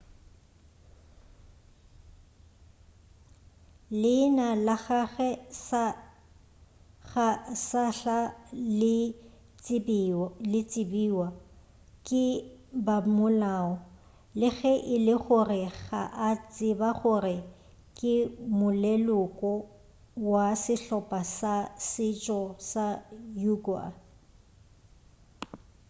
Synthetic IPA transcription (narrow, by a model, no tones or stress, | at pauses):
lɪnalaɣaɣɛsa | ɣasaɬalɪ | blɪt͡sʼɪbiwa | kʼɪbamʊlaːɔ | lɪɣɛʔɪlɪχʊrɪɣaʔat͡sʼɪbaχʊrɪ | kʼɪmʊlɛlʊkʼɔ | wasɪɬɔpʼasasɪt͡ʃʼɔsajuɡa̰